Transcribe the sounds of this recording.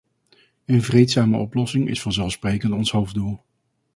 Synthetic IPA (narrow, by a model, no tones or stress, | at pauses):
ənvrejtsaːmə̰ʔɔplɔsɪŋɪ̰sfɑnzɛlˠfsprejkəntɔnsɦowfdulˠ